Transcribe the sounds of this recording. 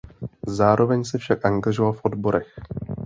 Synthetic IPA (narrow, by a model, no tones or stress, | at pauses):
zaːɾʔo̞vɛɲsɛfʃakʔaŋɡaʒovalfʔo̞dbo̞ɾɛx